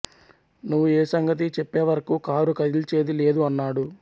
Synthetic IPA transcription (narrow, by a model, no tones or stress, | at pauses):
nuʋːueːsɐŋɡɐt̪̬it͡ʃɛpːe̞ːʋɐɾɐkuːkaːɾukɐd̪ilt͡ʃe̞ːd̪ile̞ːd̪uɐnːaːɽu